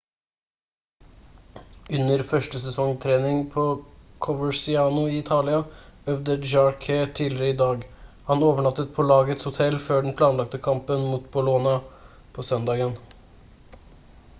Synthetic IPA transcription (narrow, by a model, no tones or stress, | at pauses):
ʉnəɾfœʂʈəsɛsɔŋt̪ʰɾeːnɪŋpʰoːkʰɔʋəsɪɑːnʊiːɪt̪ʰɑːlɪɑœʋd̪əd͡ʒɑɹkʰet̪ʰiːlɪɾəiːd̪ɑːɡ | hɑnoːʋəɳɑt̪ːət̪̚pʰɔːlɑːɡəɛt̪shʊt̪ʰɛlføːɖn̩pʰlɑːnlɑk̚t̪əkʰɑmpənmuːt̪bʊloːnɑ | pʰoːsœnd̪ɑːɡən